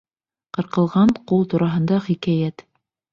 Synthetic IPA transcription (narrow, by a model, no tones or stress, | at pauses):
qɤ̆ɾqɤ̆lˠʁɑɴqulˠt̪uɾʔɑɦɤ̆nd̪ɑχikæjæt̪